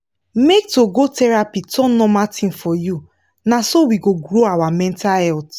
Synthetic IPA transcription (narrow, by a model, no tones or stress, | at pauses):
mek̚toɡotɛɹapitʰɔ̃nɔmatʰĩnfɔju | nasowiɡoɡɹoawamɛ̃ntahɛlt